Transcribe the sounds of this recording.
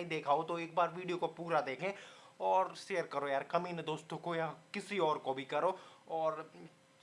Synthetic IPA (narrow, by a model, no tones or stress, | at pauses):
ĩd̪eːkʰaːot̪oeːk̚baːɾʋiːɖijokopuːɾad̪eːkʰẽːɔːɾʃeːəɾkəɾojaːɾkɐminəd̪oːst̪õkojakɪsiɔːɾkobʱikɐɾoːɔːɾ